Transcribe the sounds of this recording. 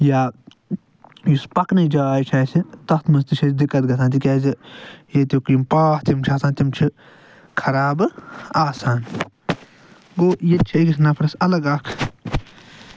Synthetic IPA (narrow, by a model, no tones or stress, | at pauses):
jaː | juspɐknɐd͡ʒaːaːjt͡ʃʰaːsit̪ɐxt̪ʰmɐnst̪it͡ʃʰɐsʲd̪ikːɐt̪ɡɐt̪ʰaːnt̪ikʲaːzijet̪ikimpaːht̪imt͡ʃʰaːsaːnt̪imt͡ʃʰi | kʰɐɾaːbɨaːsaːn | ɡoːjet͡ʃʰiiɡisnɐpʰɾɐsɐlɐɡaːkʰ